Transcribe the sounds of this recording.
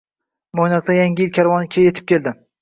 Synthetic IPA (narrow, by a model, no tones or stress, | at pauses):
mojnaqt̪ajaŋʲɪɪlkʲʰaɾvɒnɪkʲʰejjet̪ʰɪp̚kʲʰe̞ld̪ɪ